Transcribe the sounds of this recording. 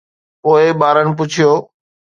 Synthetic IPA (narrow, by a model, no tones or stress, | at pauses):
poːɪɓaːɾəɽɪ̆p̬ʊt͡ʃʰijoː